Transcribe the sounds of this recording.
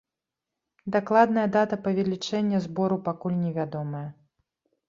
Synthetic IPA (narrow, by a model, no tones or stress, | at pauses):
d̪aklˠad̪nɐjɐd̪at̪ɐpɐvʲɛlʲit͡ʂɛnʲːɐzbɔɾupakulʲnʲɛvʲad̪ɔmɐjɐ